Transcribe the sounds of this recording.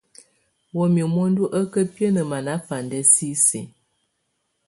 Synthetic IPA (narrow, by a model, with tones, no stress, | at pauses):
wo˨mi˨mɔ˦ndu˦ʔə˦kə˦pjə˦nə˨ma˨na˦fa˨ndɛ˦si˦sḭ˨